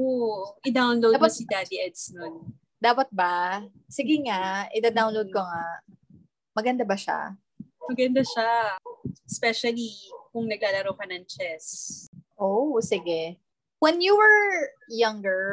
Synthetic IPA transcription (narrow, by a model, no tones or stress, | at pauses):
ʔoʔɛd̪awnlowd̪apɐsid̪ad̪iʔɛd̪snon | d̪aːpɐt̪̚ba | sɪɡɛŋaʔɛd̪ad̪awnlowd̪̚koŋa | mɐɡɐnd̪abɐʃa̰ | mɐɡɐnd̪aʃa | spɛʃɐlikʊŋnɐɡ̚laːlɐɾowkɐnɐŋt͡ʃɛsʔosɪɡɛ | wɛnjuwɛɹ | jɐŋɡɛɹ